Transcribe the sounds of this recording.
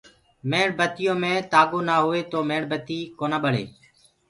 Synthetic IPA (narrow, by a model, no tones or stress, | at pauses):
meːɳbət̪ɪjõːmẽːt̪aːɡoːnaːɦoːeːt̪oːmẽːɳbət̪iːkoːnãːɓəɽḛː